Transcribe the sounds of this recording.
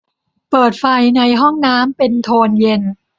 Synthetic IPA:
pɤː˨˩t̪̚fa˧jna˧jɦɔ˥˩ŋnaː˦˥mpe˧nt̪ʰoː˧nje˧n

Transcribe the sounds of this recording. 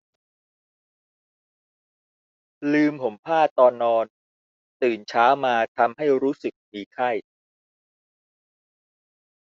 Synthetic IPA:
lɯː˧mpʰo˩˦mpʰaː˥˩t̪ɔː˧nːɔː˧n | t̪ɯː˨˩nt͡ɕʰaː˦˥wmaː˧t̪ʰa˧mɦa˥˩jɾuː˦˥sɯ˨˩k̚miː˧kʰa˥˩j

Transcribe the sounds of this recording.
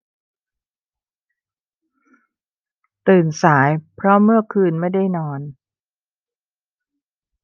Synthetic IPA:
t̪ɯː˨˩nsaː˩˦jpʰɾɔ˦˥mɯ˥˩ɐkʰɯː˧nma˥˩jda˥˩jnɔː˧n

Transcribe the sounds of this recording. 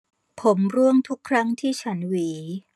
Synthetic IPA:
pʰo˩˦mɾu˥˩əŋt̪ʰu˦˥kʰɾa˦˥ŋt̪ʰiː˥˩t͡ɕʰa˦˥nwiː˩˦

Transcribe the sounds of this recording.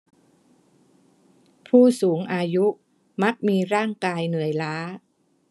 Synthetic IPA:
pʰuː˥˩suː˩˦ŋʔaː˧ju˦˥ʔ | ma˦˥k̚miː˧ɾaː˥˩ŋkaː˧jnɯ˨˩əjlaː˦˥

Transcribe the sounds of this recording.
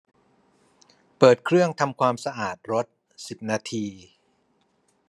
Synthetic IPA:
pɤː˨˩t̪̚kʰɾɯ˥˩əŋt̪ʰa˧mkʰwaː˧msa˧ʔaː˨˩t̪̚ɾo˦˥t̪̚ | si˨˩p̚naː˧t̪ʰiː˧

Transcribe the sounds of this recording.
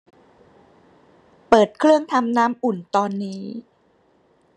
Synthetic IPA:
pɤː˨˩t̪̚kʰɾɯ˥˩əŋt̪ʰa˧mnaː˦˥mʔu˨˩nt̪ɔː˧nːiː˦˥

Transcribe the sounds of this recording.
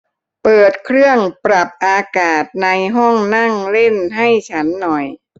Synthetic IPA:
pɤː˨˩t̪̚kʰɾɯ˥˩əŋpɾa˨˩p̚ʔaː˧kaː˨˩t̪̚na˧jɦɔ˥˩ŋna˥˩ŋle˥˩nɦa˥˩jt͡ɕʰa˦˥nːɔ˨˩j

